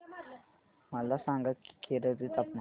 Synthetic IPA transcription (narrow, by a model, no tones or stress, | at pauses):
məlasãŋɡaki̥kʰeɾəd͡z̪it̪apna